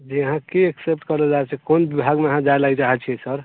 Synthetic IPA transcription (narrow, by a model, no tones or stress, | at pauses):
d͡ʒiəɦãkieksep̚ʈkəɾlɔd͡ʒat͡ʃʰɛkonbibʱaɡmeəɦãd͡ʒaelajɾaɦɛt͡ʃʰɛsəɾ